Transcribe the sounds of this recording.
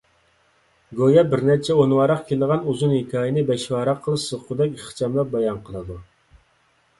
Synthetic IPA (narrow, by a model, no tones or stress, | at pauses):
ɡojɑbɪɾnɛt͡ʃʰɛonwɑɾɑqkʲʰeld̪ʁɑnuzunhikʲʰɑːjinɨbɛʃwɑːɾɑqʰːəlˠɨʃsɨqʰʊd̪ɛkʲiχt͡ʃʰɑmlˠɑp̚bɑjɑnqʰəlˠɨd̪u